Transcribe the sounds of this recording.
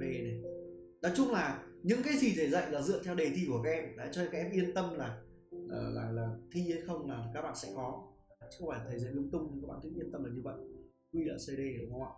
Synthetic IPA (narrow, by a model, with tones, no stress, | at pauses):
e˧ne˨˩ | nɔ˨˦jt͡ɕʊ˧ŋ͡mlaː˨˩ | ɲɨ̰˧˥ŋkaː˨˦jzi˨˩ze˨˩zə̰˧˨jlaː˨˩zɨ̰˧˨ənt̪ʰɛ˧wɗe˨˩t̪i˧˩ku˧˩əkaː˦˥ʔɛ˧mɗa̰ː˧˥t͡ɕɔ˧kaː˨˦kʔɛ˧mʔi˧ənt̪ə˧mlaː˨˩ | ʔəː˨˩laː˨˩laː˨˩t̪ʰi˧ə˨˦jxə˧wŋ͡mlaː˨˩kaː˦˥k̚ɓa̰ː˧˨sɛ̰˧˥kɔ˨˦˨ | t͡ɕɨ̥˧˦˥xwŋ͡mfa˧˩˨a˨˩t̪ʰːjzə̰˧˦lɨ˧əŋ͡mt̪ʊ˧ŋ͡mɲ˧kaː˨˦kɓa̰ː˧˨nt̪ɨ˨˦˥ʔi˧ənt̪ə˧mləː˨˩ɲɨ˧və̰˧˨j | kwi˧laː˨˩se˧ɗe˧ə˨˩ka˧wa̰ː˧˨